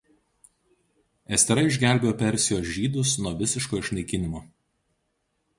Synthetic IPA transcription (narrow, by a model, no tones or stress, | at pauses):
ɛsʲt̪ʲɛɾɐɪʒʲɡʲæˑlʲbʲejoːpʲɛɾʲsʲɪjoːsʲʒʲiːd̪ʊsnuɔʋʲɪsʲɪʃkoːɪʃʲnɐɪkʲɪnʲɪmoː